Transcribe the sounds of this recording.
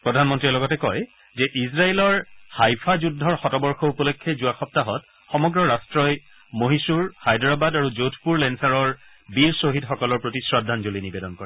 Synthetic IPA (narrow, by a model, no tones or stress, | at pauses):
pɹɔdʱanmɔntɹiɛlɔɡɔtɛkɔj | zɛʔizɹaelɔɹhajpʰazudʱːɔɹxɔtɔbɔɹxɔupɔlokʰːezuaxɔp̚taɦɔt | xɔmɔɡɹɔɹastɹɔj | moɦisuɹhajdɹabadaɹuzowtʰpuɹlɛnsaɹɔɹ | biɹsoɦidxɔkɔlɔɹpɹotisɹadʱːanzolinibedɔnkɔɹɛ